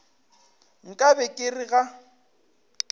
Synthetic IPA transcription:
ŋ̩kʼabɛkʼɪrɪɣa

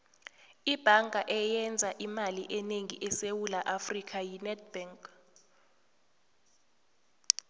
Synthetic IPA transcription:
ib̥ʱaŋʱaʔɛjɛnd͡zʱaʔimaliʔɛneŋḭʔɛsewulaʔafrikʰajinɛd̚b̥aŋk

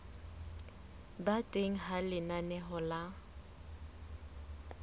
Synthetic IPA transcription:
batʼeŋ̩ɦalɪnanɛɦɔla

